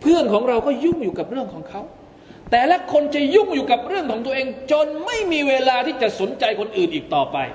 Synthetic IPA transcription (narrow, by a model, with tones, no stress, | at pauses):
pʰɯ˥˩ənkʰɔː˩˦ŋɾa˧wkɔː˥˩ju˥˩ŋjuː˨˩ka˨˩p̚ɾɯ˥˩əŋkʰɔː˩˦ŋkʰa˦˥w | t̪ɛː˨˩lɛ˦˥kʰo˧nt͡ɕa˨˩ju˥˩ŋjuː˨˩ka˨˩p̚ɾɯ˥˩əŋkʰɔː˩˦ŋt̪u˧əʔeː˧ŋt͡ɕo˧nma˥˩jmiː˧weː˧laː˧t̪ʰiː˥˩t͡ɕa˨˩ʔso˩˦nt͡ɕa˧jkʰo˧nʔɯː˨˩nʔiː˨˩k̚t̪ɔː˨˩pa̰˧j